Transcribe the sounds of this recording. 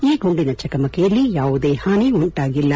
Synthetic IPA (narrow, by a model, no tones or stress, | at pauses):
iːɡoɳɖinɐt͡ʃɐkɐmɐkɛjɐlːijaːʋud̪eːhaːniuɳʈaːɡilːɐ